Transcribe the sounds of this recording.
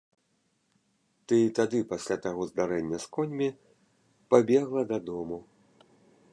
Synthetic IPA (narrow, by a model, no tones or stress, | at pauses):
t̪ɨit̪ad̪ɨpasʲlʲat̪aɣɔzd̪aɾɛnʲːɐskɔnʲmʲi | pabʲɛɣlˠɐd̪ɐd̪ɔmu